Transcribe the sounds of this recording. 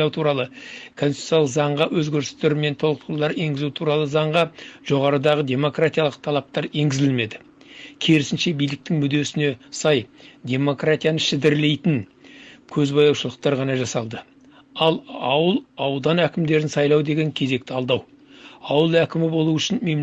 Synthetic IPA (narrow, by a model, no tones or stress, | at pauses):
ɑwt̪ʰuɾɑlˠəkʰo̞nst̪jalˠəqzɑɴʁɑwʔɵzɡʲeɾs̚t̪eɾme̞nt̪ʰo̞lˠəq̚t̪lˠɑɾe̞ŋɡʲɪzut̪ʰuɾɑlˠəzɑɴʁɑʒ̥o̞ʁɑɾəd̪ɑʁəd̪ʲe̞mo̞krat̪ijaɑlˠəq̚t̪ʰɑlˠɑp̚t̪ɑɾe̞ŋɡʲɪzɪlme̞d̪ɪ | kʲʰeɾɪsɪnʃe̞bijlɪk̚t̪ɪŋmʏd̪e̞sɪne̞sɑjd̪ʲe̞mo̞krat̪ijanəʃɪd̪ɪɾle̞jt̪ɪn | kʲʰɵzbɑjɑwʃəlˠəq̚t̪ɑɾʁɑnɑʒɑsɑlˠd̪ə | ɑlˠɑwəlˠɑwd̪ɑnækʲɪmd̪e̞ɾɪnsɑjlˠɑwd̪e̞ɡʲe̞ŋkʲʰe̞ze̞k̚t̪ɪɑlˠd̪ɑw | ɑwəlˠækʲɪmɪbo̞lˠuʏʃɪnme̞m